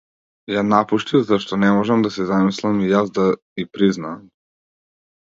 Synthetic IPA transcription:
janapuʃt̪ivzaʃt̪ɔnɛmɔʒɛmd̪asɛzamislˠamijazd̪a | ipɾiznaːm

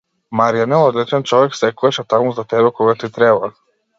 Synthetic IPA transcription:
maɾianɛlˠɔd̪lit͡ʃɛnt͡ʃɔʋɛksɛkuaʃɛt̪amuzat̪ɛbɛkɔɡat̪it̪ɾɛba

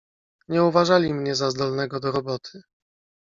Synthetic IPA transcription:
ɲɛuvaʐalʲimɲɛzazd̪ɔlnɛɡɔd̪ɔɾɔbɔt̪ʰɘ̥

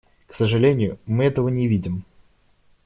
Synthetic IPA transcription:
ksəʐɨlʲenʲɪjʊmɨɛt̪əvənʲɪvʲidʲɪm

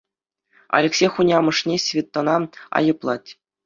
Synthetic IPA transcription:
ɑ̰lʲeksʲejxunʲɑmɤ̆ʂnʲesʲvʲit̪ːŏnɑɑ̰jɤ̆plˠɑtʲ

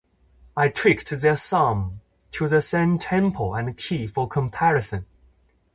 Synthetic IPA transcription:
aɪtʰɹ̥ɪktðəsʌ̃m | tʰəðəsɛ̃ntʰɛ̃mpʰəlˠə̃nkʰiːfəkʰə̃mpʰæɹɪsə̃n

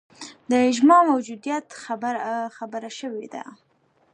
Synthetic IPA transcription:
d̪əɪʒmɑmawd͡ʒud̪ijat̪ | xabəɾaʃəwed̪a̰

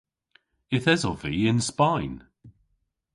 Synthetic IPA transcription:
ɪθɛzɔviːɪnspajn

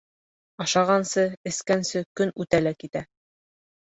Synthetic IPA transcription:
ɑʃɑʁɑnsɤɘ̆skænsɘkɵnʉt̪ælækit̪æ

